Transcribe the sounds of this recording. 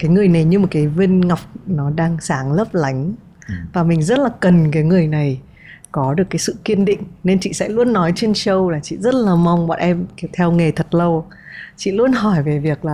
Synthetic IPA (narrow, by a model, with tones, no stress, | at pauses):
kaː˨˦jŋɨ˨˩əjna˨˩jɲɨ˧mo˨˩t̚kaː˨˦jvi˧nŋa˨˩wk͡p̚nɔ˨˦ɗaː˧ŋsaː˨˦ŋlə˦˥p̚la˨˦jŋ̟ | vaː˨˩mï˨˩ŋ̟zə˦˥t̚laː˨˩kə˨˩nkaː˨˦jŋɨ˨˩əjna˨˩j | kɔ˨˦ɗɨ˨˩əkːaː˨˦jsɨ̰˧˨ki˧ənɗḭ̈˧˨ŋ̟ne˧nt͡ɕḭ˧˨sɛ̰˧˥lu˧ənːɔ˨˦jt͡ɕe˧nsə˧wlaː˨˩t͡ɕḭ˧˨zə˦˥t̚laː˨˩ma˧wŋ͡mɓa̰˧˨nʔɛ˧mkt̪ʰɛ˧wŋe˨˩t̪ʰə˨˩t̚lə˧w | t͡ɕḭ˧˨lu˧ənɦɔ˧˩jve˨˩vi˨˩ək̚laː˨˩